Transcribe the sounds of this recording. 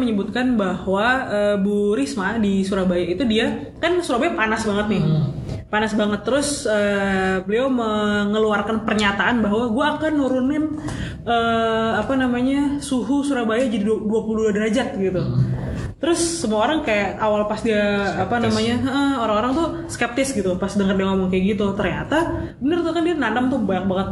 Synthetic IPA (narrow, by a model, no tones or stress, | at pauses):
məɲəbut̪̚kanbahwaəbuɾɪsmadisuɾabajaʔit̪udia | kansuɾabajapanasbaŋət̪̚nɪpanasbaŋət̪ːəɾʊsəbəleoməŋəluarkanpərɲat̪aanbaɦwaɡuaːkanːuɾʊnɪn | ʔəapanamaɲasuɦusuɾahbajad͡ʒadiduapuludadəɾad͡ʒat̪̚ɡit̪u | t̪əɾʊsːəmuaoɾaŋkajaʔawalpasdiaːpanamaɲaəʔəhoɾaŋoɾaŋt̪ʊ | skɛp̚t̪ɪsɡit̪upasdəŋərdiaŋomɔŋkajaʔɡit̪ut̪ərɲat̪abənərt̪ukandianandamt̪ʊhbajak̚baŋət̪̚